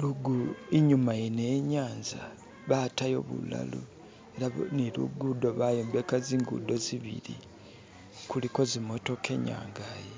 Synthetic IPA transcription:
luɡuiɲumaineɲaːnza | βatajo̞̰βṵla̰lu | e̞ɾanilṵɡudo̞βajoːmbekaziːŋɡṵdo̞ziβḭlḭ | kuliko̞zimo̞to̞kʰe̞ɲa̰ːŋɡaje

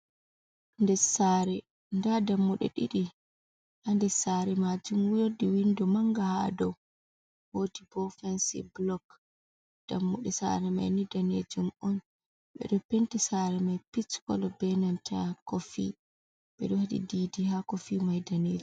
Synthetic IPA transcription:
ndɛsaɾɛ | ndadamːuɗɛ̰ɗḭɗi | ʔandɛsaɾɛmad͡ʒumwujodiwindɔmaŋɡahadɔw | hotibɔfɛnsḭblɔk | d̥amːuɗɛsa̰ɾɛma̰jnidaned͡ʒumɔn | ɓɛ̰ɗɔpentisaɾɛmajpit͡ʃkɔ̰lɔbɛnantʰa̰kofḭ | ɓɛ̰ɗɔhaɗḭdiːdihakofimajdaned͡ʒu

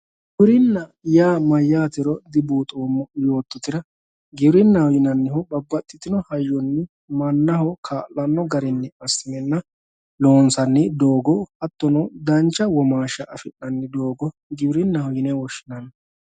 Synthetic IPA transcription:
ɡɪbɾɪnːɐjaːmɐjːaːt̪ɪɾɔd̪ɪbuːt̪ʼoːmɔjo̞ːt̪ːɔt̪ɪɾɐ | ɡɪbɾɪnːɐhɔjɪnɐnːɪhɔbɐbːɐt̪ʼːɪt̪ːɪnɔhɐjːɔnːɪ | mɐnːɐhɔkʰaːʔɐnːɔɡɐɾɪnːɛɐsːɪmɛnːɐ | loːnsɐnːɪd̪oːɡɔhɐt̪ːɔnɔd̪ɐnt͡ʃːɐwɔmaːʃɐʔɐfɪnːɐnːɪd̪oːɡɔ | ɡɪbɾɪnːɐhɔjɪnɛwɔʃɪnɐnː

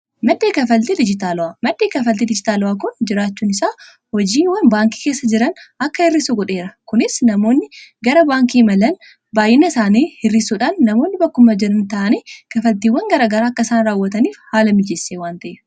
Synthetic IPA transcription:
mɐd̪ːe̞ːkɐfɐlt̪id̪ɪd͡ʒɪt̪aːlʊaːmɐd̪ːeːkɐfɐlt̪iːd̪ɪd͡ʒɪt̪aːlʊaːkʊnd͡ʒɪɾaːt͡ʃːuːnɪsaː | hɔd͡ʒiːnwɐnbaːŋki̥ːkeːsːɐd͡ʒɪɾɐnɐkːɐhɪrːɪsʊɡɔᶑe̞ːɾɐkʊnɪsnɐmo̞ːnːɪɡɐɾɐbaːŋkiːmɐlɐn | baːjɪnɐsaːniːhɪrɪsuːᶑaːnːɐmo̞ːnːɪbɐkːʊmɐd͡ʒɪɾɐnt̪ɐʔɐniːkɐfɐlt̪iːwːɐŋɡɐɾaːɡɐɾaːɐkːɐɪsaːnɾaːwːɐt̪ɐniːfhaːlɐmɪd͡ʒesːeːwaːnt̪ɐʔe

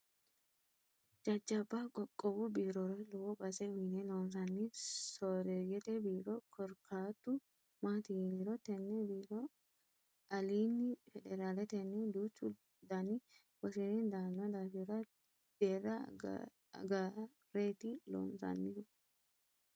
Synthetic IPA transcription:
d͡ʒɐd͡ʒːɐbːakʼɔkʼːɔbʊbiːɾɔɾɐlɔwɔbɐsɛwinɛloːns̬ɐnːɪsɔːɾɛjɛt̪ɛbiːɾɔkʰɔɾkʰaːt̪ːʊ | maːt̪iːniɾɔt̪ɛnːɛbiːɾɔ | ɐliːnːɪfɛd̪ɛɾaːlɛt̪ɛnːɛd̪uːt͡ʃːʊ | d̪anɪ | wɐsinɛnd̪aːnːɐd̪aːfiɾɐ | d̪̥eːrːɐ̰ | ɡa | ɾeːt̪ilo̰ːmsɐ̰nːɪʊ

